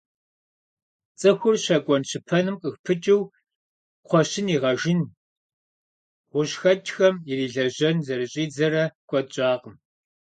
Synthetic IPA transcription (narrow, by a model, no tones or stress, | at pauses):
t͡sʼɨxʷʊrɕɐkʷʼɔnɕʰɪpʰɐnɨmqʼəxpʰɨt͡ʃʼɪw | qʷɔɕɪniːʁɐʒɪn | ʁʷʊɕxɐt͡ʃʼxɐmiriːɮɐʑɐnzɐrɨɕʼiːd͡zɐrɐkʷʼɔɕʼɑːqəm